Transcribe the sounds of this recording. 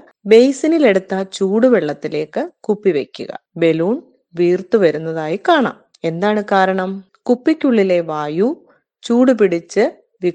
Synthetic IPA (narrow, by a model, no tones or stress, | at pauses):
bejsinile̞ɽut̪ːɐt͡ɕuːɽuʋeɭːɐt̪ːile̞ːkːɨkupːiʋe̞kʲːṵɣɐ̰be̞luːɳ | ʋiːrt̪uʋɐɾunːɐðaːjikaːɳa̰ːm | e̞nd̪aːɳɨkaːɾɐɳɐm | kupːikʲːuɭːile̞ʋaːju | t͡ɕuːɽupiɽit͡ɕːɨ | ʋi